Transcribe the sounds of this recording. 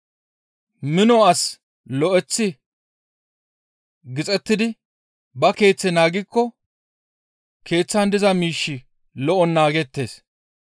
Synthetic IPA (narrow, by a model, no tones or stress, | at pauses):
mɪnɔɐs | lɔʔɛt͡sːɪ | ɡɪt͡sʼɛt̪ːɪd̪ɪ | bɐke̞ːt͡sːɛnaːɡɪkːɔ | ke̞ːt͡sːɐnd̪ɪzɐmiːʃːɪ | lɔʔɔnːaːɡɛt̪ːe̞̰ːs